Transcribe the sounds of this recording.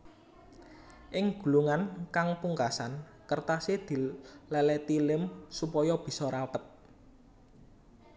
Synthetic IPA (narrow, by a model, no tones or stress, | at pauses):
ʔɪŋɡ̥ṳluŋankaŋpuŋkasan | kərt̪ased̪̥i̤lɛlɛt̪ilɪmsupɔjɔb̥i̤sɔɾapət̪̚